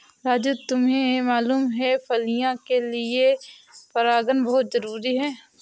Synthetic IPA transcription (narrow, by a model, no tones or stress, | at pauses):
ɾaːd͡ʒut̪ʊmɦẽmaːluːmɦɛpʰɐlijãkelie | pɐɾaːɡənbɐɦʊt̪zɐɾuːɾiɦɛː